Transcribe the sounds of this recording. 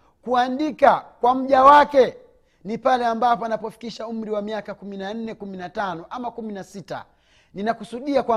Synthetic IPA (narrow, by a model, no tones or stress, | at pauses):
kuandikakwam̩ʄawakɛ | nipalɛambapanapɔfi̥kiʃaum̩ɾiwamiakakuminan̩nɛkuminatanɔʔamakuminasita̰ | ninakusuɗiakwa